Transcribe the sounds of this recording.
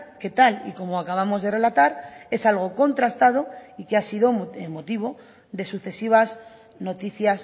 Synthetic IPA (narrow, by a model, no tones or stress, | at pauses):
ke̞t̪alḭko̞moakaβ̞amo̞zðe̞re̞lat̪aɾe̞salɣ̞o̞ko̞nt̪ɾast̪að̞o̞ikeasiðo̞emo̞t̪iβo̞ | ðe̞suθe̞siβ̞as | no̞t̪iθjas